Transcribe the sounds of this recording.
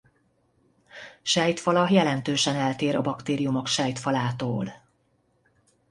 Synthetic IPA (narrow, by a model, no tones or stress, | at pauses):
ʃɛjt̪fɒlɒjɛlɛnt̪øːʃɛnɛlt̪eːɾɒ̰bɒkt̪eːɾijumo̞kʃɛjt̪fɒlaːt̪oːl